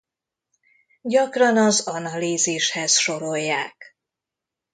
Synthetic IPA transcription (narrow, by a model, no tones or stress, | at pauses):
ɟɒkrɒnɒzɒnɒliːziʃhɛzʃo̞ɾo̞jːaːk